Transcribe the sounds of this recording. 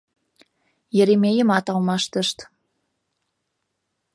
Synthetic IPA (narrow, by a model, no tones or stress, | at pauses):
jeɾemʲejəmɑt̪ɑlmɑʃt̪əʃt̪